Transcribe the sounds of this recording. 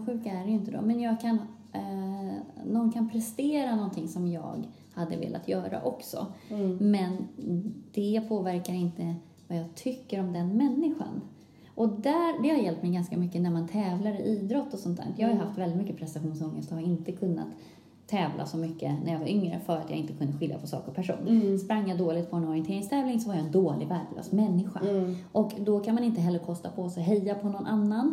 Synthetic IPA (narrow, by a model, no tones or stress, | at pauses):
ɧʉ̟ːkaæɖɛjɵʏɪnt̪əd̪ɔ̰mɛnjɑːɡ̚kʰan | nɔnkʰanpʰɾɛst̪eːɾanɔnt̪ʰɪŋsɔmjɑ̰ːɡ | had̪ːə̰vḛːlʔa̰t̪ʰjœːɾa̰ʔɔksɔ̰mɛn | d̪̥ɛpʰoːvæɾkaɾɪnt̪ə | vajɑːɡt̪ʰʏkːəɾɔmd̪ɛnmɛnːɪɧa̰n | ʔɔd̪æːɾɖ̪ɛhaɾjɛlp̚t̪mɛjɡanskamʏkːənæɾmant̪ʰɛːvlaɾəʔiːd̪ɾɔt̪ːɔsɔnt̪ʰæ̰ːjɑːhajəɦaft̪vɛld̪ɪt̪mʏkːəpʰɾɛst̪aɧuːnsɔŋːəst̪haɾɪnt̪əkʰɵnːa̰t̪ʰː | ɛːvlʔa̰sɔmʏkːənæɾjavaɾʔʏŋɾə̰fœːɾat̪ja̰ɪnt̪əkʰɵnd̪əɧɪlja̰pʰɔsɑ̰ːkəɾpʰæʂṵːnspɾaŋːjad̪oːlɪt̪pʰɔɔnnɔɾɪɛntʰeːɾɪŋst̪ʰɛːvlɪŋsɔvaɾjaɛnd̪oːlɪ̰ɡvæɾklœ̰ːsmɛnːɪɧa̰ʔɔkd̪ɔkʰanmanɪnt̪əɦɛlːəɾkʰɔst̪apʰɔsɔɦɛjːapʰɔnɔnʔanːan